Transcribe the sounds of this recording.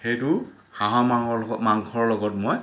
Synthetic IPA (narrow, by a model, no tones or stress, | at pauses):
xejtʊ | xaɦɔmmaŋkʰɔɹɔlɔɡɔtmoj